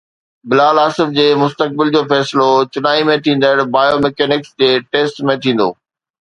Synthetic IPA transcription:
bɪlaːlaːsɪfd͡ʑeːmʊst̪ək̚bɪld͡ʑoːfɛːsɪlot͡ɕʊnaːimẽt̪ʰĩːn̆d̪əɽ̃baːjomɛkɛːnɪksd͡ʑeːʈeːsʈmẽt̪ʰĩːn̆d̪o̰ː

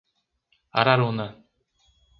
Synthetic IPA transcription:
a̰ɾaɾuna

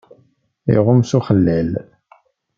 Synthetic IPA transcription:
ḭʁʊmsuχəlːæl

